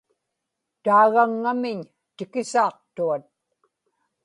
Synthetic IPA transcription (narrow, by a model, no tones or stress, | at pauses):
t̪aːɣaŋːamɪɲ | t̪ɪkɪsɑːq̚t̪uat̪̚